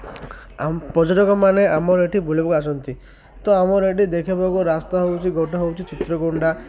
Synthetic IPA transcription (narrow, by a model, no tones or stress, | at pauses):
apɔd͡ʒɔʈɔkɔmaneamɔɾeʈʰibʱulibɔkuasɔnt̪i | t̪ɔamɔɾeʈid̪ekʰibakuɾast̪aɦewt͡ʃʰiɡɔʈɔɦewt͡ʃʰit͡ʃit̪ɾɔɡoɳɖa